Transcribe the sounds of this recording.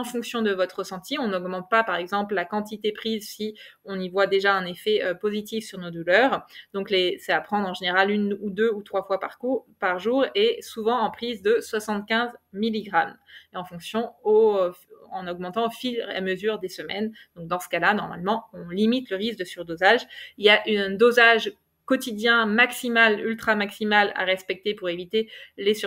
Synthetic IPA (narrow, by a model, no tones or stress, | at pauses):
ɑ̃fɔ̃ksjɔ̃d̪əvɔt̪χəsɑ̃t̪iɔ̃nɔɡmɑ̃t̪̚papaʁɛɡzɑ̃pllakɑ̃t̪̬it̪epχizsiɔ̃nivwad̪eʒaɛ̃nefɛøpozit̪ifsyʁnod̪ulœʁd̪̥ɔ̃klesɛapχɑ̃d̪ʁɑ̃ʒeneʁalynud̪øut̪χwafwapaʁkupaʁʒuʁesuvɑ̃ɑ̃pχizd̪əswasɑ̃t̪kʲɛ̃zmiliɡʁameɑ̃fɔ̃ksjɔ̃o | ɑ̰̃nɔɡ̚mɑ̃t̪ɑ̃ofila̰məzyʁd̪esəmɛ̰nd̪̥ɔ̃k̚d̪ɑ̃sə̥kalanɔʁma̰lmɑ̃ɔ̃limit̪ləʁisk̚d̪əsyʁd̪ozaʒiljaʔỹd̪ozaʒ | kɔt̪id̪jɛ̃maksimalylt̪χamaksimala̰ʁɛspɛk̚t̪epuʁevit̪eles